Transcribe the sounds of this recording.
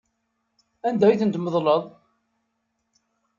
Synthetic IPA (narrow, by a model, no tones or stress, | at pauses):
ænd̪æjiθənt̪məðˤləðˤ